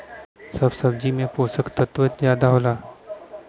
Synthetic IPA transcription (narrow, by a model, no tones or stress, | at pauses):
səbsɐb̚d͡ʒimẽpoːsəkt̪ət̪ʋət̪zjaːd̪aɦoːlaː